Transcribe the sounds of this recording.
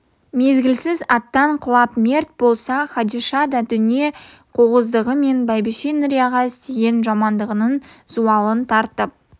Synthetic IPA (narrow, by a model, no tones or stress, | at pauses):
me̞zɡʲɪlsɪzɑt̪ːɑɴqʰʊlˠɑpmʲe̞rt̪̚bo̞lˠsɑχɑd̪iʃɑd̪ɑd̪ʏnije̞qʰoʁəzd̪əʁəme̞nbɑjbɪʃenɪɾjɑʁɑɪst̪e̞ɡʲe̞nʒɑmɑnd̪əʁənənzuɑlˠənt̪ʰɑɾt̪əp̚